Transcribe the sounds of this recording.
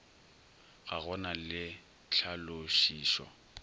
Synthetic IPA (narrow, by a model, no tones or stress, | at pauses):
ɣaɣɔnalɪ | ɬʰaloʃiːʃwa̰